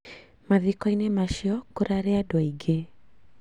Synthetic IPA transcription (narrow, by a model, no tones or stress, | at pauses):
maðikɔinemaʃiɔkoɾaɾeadwɔiɡe